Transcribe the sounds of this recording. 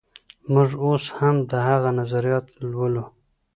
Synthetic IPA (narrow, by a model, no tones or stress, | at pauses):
mʊʐoshamd̪əhaɣanazaɾijɑt̪lwəlu